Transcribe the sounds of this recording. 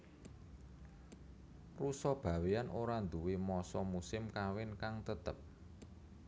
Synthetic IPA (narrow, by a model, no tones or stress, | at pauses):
rusɔb̥a̤weanʔoɾand̪uwemɔsɔmusɪmkawɪnkaŋt̪ət̪əp̚